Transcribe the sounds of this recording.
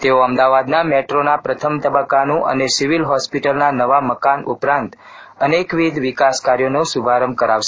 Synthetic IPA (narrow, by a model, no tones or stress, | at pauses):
t̪eoəmd̪aʋad̪nameʈɾonapɾət̪ʰəmt̪əbəkanũʔə̰nesiʋilɦɔspiʈəlnanəʋaməkanupɾãnt̪ | ənekʋid̪ʱʋikaskaɾjonosubʱaɾəmb̚kəɾaʋʃe̥